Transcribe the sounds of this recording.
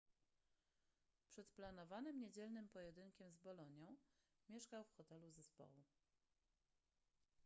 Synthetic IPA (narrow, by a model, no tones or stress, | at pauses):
pʂɛt̪planɔvanɘmɲed͡ʑɛlnɘmpɔjɛd̪ɘŋkʲɛmzbɔlɔɲjɔ̃w̃ | mʲjɛʂkawfxɔt̪ɛluzɛspɔ̰wu